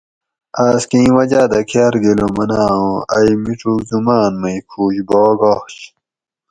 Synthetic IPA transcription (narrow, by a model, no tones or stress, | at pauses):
aːskĩwɐd͡ʑaːd̪ɐkʰjaːɾɡelomɐnaːõɐjmiʈ͡ʂukzumaːnmɐikʰuːɕboːɡoɕ